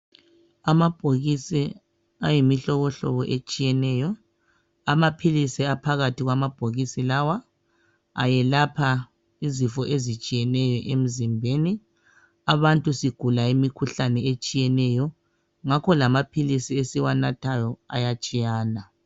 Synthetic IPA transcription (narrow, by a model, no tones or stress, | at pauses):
amab̥ʱoɣisi | ajimiɬɔɣɔɬɔ̰βɔʔet͡ʃʼijɛnɛjɔ | amapʰilisiapʰaɣatʰiɣwamab̥ʱoɣisilawa̰ː | jɛlapʰa | izifɔʔezit͡ʃʼijɛnɛjɔʔem̩zimbʱeni | aβantʼusiɡ̥ʱulaimikʰuɬanɛet͡ʃʼijɛnɛjɔ | ŋakʰɔlamapʰilisiesiwanatʰajɔa̰jat͡ʃʼijaːna